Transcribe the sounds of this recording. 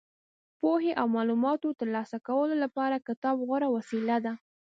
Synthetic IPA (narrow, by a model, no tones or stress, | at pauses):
poɦeʔawmɑlumɑt̪ot̪əɾlɑsakawəlolapɑɾakɪt̪ɑbɣʊɾawasilad̪a